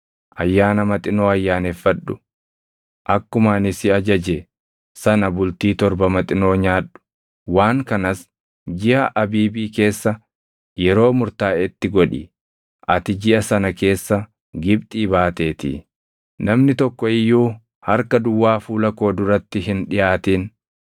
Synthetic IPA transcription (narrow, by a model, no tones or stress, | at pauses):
ʔɐjːaːnɐmɐt̪ʼɪno̞ːɐjːaːnefːɐᶑʊ̥̰ | ʔɐkːʊmaːnɪsɪɐd͡ʒɐd͡ʒe | sɐnɐbʊlt̪iːt̪ɔɾbɐmɐt̪ʼɪno̞ːɲaːᶑʊ̥ | waːŋkɐnɐs | d͡ʒɪʔɐʔɐbiːbiːke̞ːsːɐ | jɛɾo̞ːmʊɾt̪aːɪt̪ːɪɡɔᶑɪ̰ | ʔɐt̪ɪd͡ʒɪʔɐsɐnɐke̞ːsːɐ | ɡɪbt̪ʼiːbaːt̪e̞ːt̪ḭ | nɐmnɪt̪ɔkːɔɪjːuː | hɐɾkɐd̪ʊwːaːfuːlɐko̞ːd̪ʊɾɐt̪ːɪɦɪnᶑɪjʔaːt̪iːn